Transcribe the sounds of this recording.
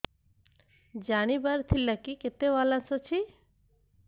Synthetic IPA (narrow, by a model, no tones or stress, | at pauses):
d͡ʑanibaɾt̪ʰilːakiket̪ewalasot͡ɕʰi